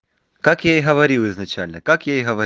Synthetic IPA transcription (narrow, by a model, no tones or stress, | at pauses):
kakjaiɦɐvɐɾʲilˠɪznɐt͡ɕalʲnəkakjaiɦɐvɐ